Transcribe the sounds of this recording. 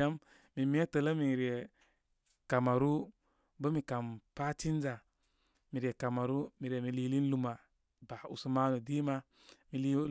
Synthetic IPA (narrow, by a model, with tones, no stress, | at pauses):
a˦m | mi˨mi˦e˦tə˨lə˦mi˨ɾi˨e˨ | ka˨ma˨ɾu˦ | bə˦mi˨ka˨mpa˦t͡ʃi˦n˦d͡ʒa˨ | mi˨ɾi˨e˨ka˨ma˨ɾu˦mi˨ɾe˨mi˨li˦li˦n˦lu˦ma˨ | ba˨ṵ˨su˦ma˦nu˨di˦ma˦ | mi˨li˦